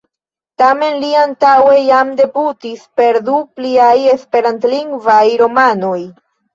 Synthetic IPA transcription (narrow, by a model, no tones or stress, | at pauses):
tame̞nliantawe̞jamde̞butispe̞ɾdupliaje̞spe̞ɾantliŋɡvajɾo̞mano̞j